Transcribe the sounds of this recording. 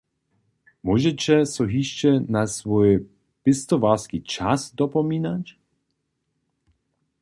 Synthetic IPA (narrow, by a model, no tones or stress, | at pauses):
mɔʒɛt͡ɕɛsɔɦiʃt͡ʃɛnasvɔj | pɪst̪ɔvaskit͡ʃasd̪ɔpɔmiːnac